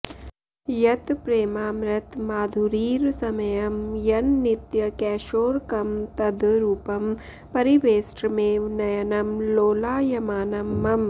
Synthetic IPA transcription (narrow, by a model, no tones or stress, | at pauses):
jɐt̪pɾeːmaːmɾɐt̪maːd̪ʱuɾiːɾsɐmɐjɐmjɐnːit̪jɐkɛːʃoːɾkɐmt̪ɐd̪ɾuːpɐm | pɐɾiʋeːsʈɾɐmeːʋnɐjɐnɐmloːlaːjɐmaːnɐmːɐm